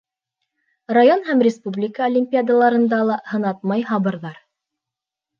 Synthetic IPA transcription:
rajonhæmrʲɪspublʲɪkəolʲɪmʲpʲiad̪əlˠɑɾɤ̆nd̪ɑlˠɑhɤ̆nɑt̪̚mɑjɦɑβɤ̆ɾðɑɾ

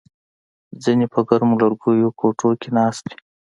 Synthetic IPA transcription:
zinipəɡaɾmulaɾɡujokoʈʰokenɑːst̪i̥

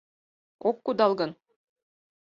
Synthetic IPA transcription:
okːud̪ɑlˠɡɤn

